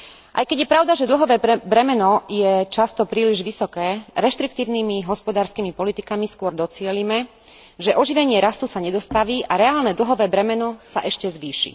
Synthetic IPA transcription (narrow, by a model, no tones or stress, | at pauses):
ʔa̰jkɛɟjɛpɾaʊd̪aʒɛd̪l̩ɦɔʋɛːbɾɛmɛnɔjɛt͡ʃast̪ɔpɾiːliʒʋisɔkɛːɾɛʃt̪ɾikt̪iːʊniːmiɦɔspɔd̪aːɾskiːmipɔlit̪ikamiskʊɔɾd̪ɔt͡sɪɛlimɛ | ʒɛʔɔʒiʋɛɲɪɛɾasusaɲɛd̪ɔst̪aʋiːʔaɾɛaːlnɛd̪l̩ɦɔʋɛːbɾɛmɛnɔsa̰ʔɛʃcɛzʋiːʃḭ